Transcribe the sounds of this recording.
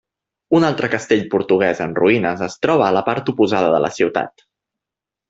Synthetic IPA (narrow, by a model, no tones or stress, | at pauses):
unalˠt̪ɾəkəst̪eʎpuɾt̪uɣ̞ɛzənruinəzəst̪ɾɔβ̞əːləpaɾt̪upuzaðəðələ̰siwt̪a̰t̪